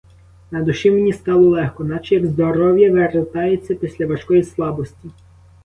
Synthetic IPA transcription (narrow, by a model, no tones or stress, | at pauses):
nɐd̪ʊʃimenʲist̪ɑlˠɔlˠɛxkɔnɑt͡ʃɛjɐɡzd̪ɔɾɔwjɐʋeɾet̪ɑjet͡sʲːɐpʲisʲlʲɐʋɐʃkɔjislˠɑbɔsʲtʲi